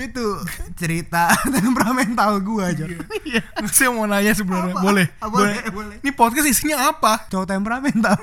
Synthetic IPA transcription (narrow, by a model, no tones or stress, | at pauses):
it̪ut͡ʃəɾit̪at̪ɛmpɾamɛnt̪alɡuad͡ʒo | ŋasimonaɲas̬əbənərɲabolɛhbbolɛnipɔt̪̚kasisiɲaːpat͡ʃat̪ampɾamɛnt̪al